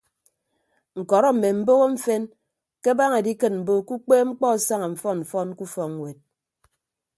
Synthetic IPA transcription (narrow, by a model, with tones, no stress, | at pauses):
ŋ̩˨kɔ˨ɾɔ˦m̩˨me˨m̩˦bo˦ɣo˦ɱ̩˦fe˦n | ke˦ba˦ŋe˨di˦kɨ˨tm̩˨bo˦ku˦k͡peː˦ŋ͡m̩˦k͡pɔ˦˨sa˦ŋa˨ɱ̩˨fɔ˦nm̩˨fɔ˦n˦ku˦fɔ˨ŋ˦we˨t̚